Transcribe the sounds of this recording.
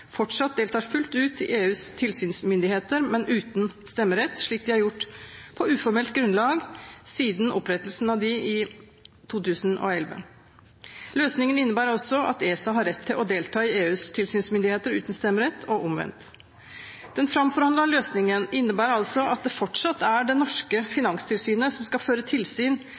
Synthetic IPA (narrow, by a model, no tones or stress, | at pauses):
fɔʈʂɑt̪̚d̪eːlt̪ʰɑːɾfʉlt̪ʉːt̪ʰːɪ̰lʔeːʉːst̪ʰɪlsyːnsmʏnd̪ɪheːt̪əɾmɛnʉːt̪nst̪ɛmːəɾɛt̪ːʂɭiːk̚d̪ɪhɑɾjʊʈːpʰɔʉːfɔɾmɛlt̪ɡɾʉnlɑːɡsiːd̪n̩ɔpɾɛt̪ːəlsn̩ɑʋd̪ɪɪ | t̪ʰuːt̪ʉːsnʔɔ̰ɛlʋə̰ | løːsnɪŋənɪnːəbæːɾɔsːɔʔɑ̰t̪eːsɑɦɑɾːɛt̪ʰːɪlɔd̪eːlt̪ʰɑːɪeːʉːst̪ʰɪlsyːnsmʏnd̪ɪheːt̪əɾʉ̰ːt̪n̩st̪ɛmːəɾɛt̪ʰːɔʔʊmʋɛ̰nt̪ | d̪̥ɛnfɾɑmfɔɾhɑnd̪ɑløːsnɪŋənɪnːəbæːɾɑlsɔɑt̪̚d̪ɛfɔʈʂɑt̪ːæɖɛnɔʂkəfɪnɑŋst̪ʰɪlsyːnəsɔmskɑføːɾət̪ʰɪlsyːn